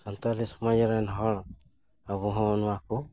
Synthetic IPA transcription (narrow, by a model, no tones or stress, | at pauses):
santaɾisumajaɾanɦɔɾ | aβuɦonuaku